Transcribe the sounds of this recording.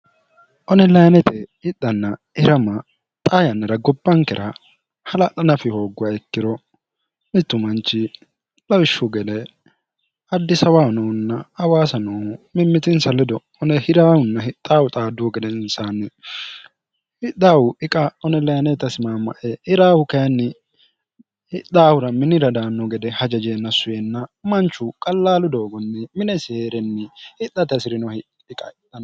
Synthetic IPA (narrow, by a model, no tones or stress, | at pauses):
ʔɔnɛlɐjɐnɛt̪ɛɪt̪ːɐnːɐ | ɪɾɐmɐ | t̪ʼaːjɐnːɛɾɐɡɔbːɐŋkɛɾʔɐ | hɐlɐt̪ːɐnɐfɪhoːɡʊwaɛkːɪɾɔ | mɪt̪ːʊmɐnt͡ʃːɪ | lɐwɪʃːʊɡɛlɛ | ɐd̪ːɪsɐwaːɔnɔːnːɐɐwaːsɐnɔːmɪmːɪt̪ɪnsɐlɛd̪ɔ | ɔnɛhɪɾaːwʊnːɐhɪt̪ʼːaːwʊt̪ʼaːd̪ːuɔɡɛd̪ɛnsanːɪ | hɪt̪ːaːwʊʔɪkʼɐɔnɛlɐjɐnɛt̪ɐsɪmaːmɐ̰ʔɛɪɾaːwʊkɐjɐnːɪ | hɪd̪aːwʊɾɐmɪnɪɾɐd̪aːnːɔɡɛd̪ɛhɐd͡ʒɐd͡ʒeːnːɐsʊjɛnːɐmɐnt͡ʃːʊkʼɐlːaːlʊd̪o̞ːɡɔnːɛmɪnɛseːɾɛnːɪhɪt̪ʼːɐt̪ɐsɪɾɪnɔhɪ | ɪkʼɐʔɪt̪ːɐn